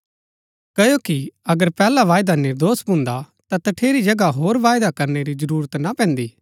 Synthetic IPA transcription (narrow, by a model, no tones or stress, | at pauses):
kɐjokiɐɡəɾpɛːlaʋaːjd̪anɪɾd̪oːsbʱʊ̃nd̪a | t̪at̪ɐʈʰeːɾid͡ʒɐɡaɦoːɾʋaːjd̪akɐɾneɾizɐɾuːɾət̪napɛ̃ːnd̪iː